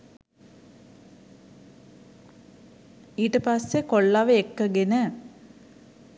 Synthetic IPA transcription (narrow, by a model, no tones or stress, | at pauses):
iːʈəpasːekoɭːaʋəekːəɡenə